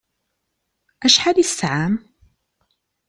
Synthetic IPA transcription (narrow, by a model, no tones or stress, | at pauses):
ʔaʃħad̪isːaʕam